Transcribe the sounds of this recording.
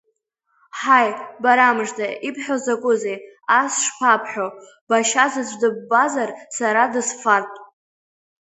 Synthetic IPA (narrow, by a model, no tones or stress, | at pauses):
ħajbaɾamʐdʰaipʰħʷᶣozakʷʼʊzejasʂpʰapʰħᶣo | baʃazɨd͡ʒʷʼdɨbːazarsaɾadɨsfartʼ